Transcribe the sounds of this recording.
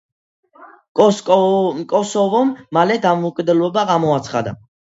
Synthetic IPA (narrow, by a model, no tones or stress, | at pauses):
kʼɔsɔvɔmːalɛd̪amɔukʼid̪ɛlˠɔbaɡamɔat̪sʰχa̰d̪a̰